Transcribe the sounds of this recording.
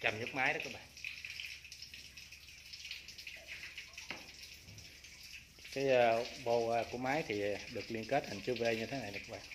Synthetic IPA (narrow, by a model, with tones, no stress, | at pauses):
t͡ɕə˨˩mɲɨ˦˥k̚maː˨˦jɗku˧˦ɓa̰ː˧˨n | kaː˨˦jəː˧ɓo˧ku˧˩əmaː˨˦jt̪ʰi˨˩ɗɨ˨˩ək̚li˧ənke˦˥t̚hə˨˩ŋt͡ɕɨ˧˦vəː˨˦ɗə˧jɲɨ˧e˨˦na˨˩jɗɔ˨˩ku˧˥ɓa̰ː˧˨n